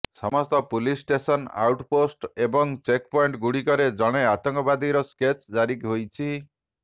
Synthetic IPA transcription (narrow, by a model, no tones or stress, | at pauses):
sɔmɔst̪ɔpulisʈesɔna̰wʈposʈebɔŋt͡ʃekpɔiɳʈɡuɽikɔɾed͡ʒɔɽ̃eat̪ɔŋkɔbad̪iɾɔsket͡ʃd͡ʒaɾikɦojt͡ʃʰi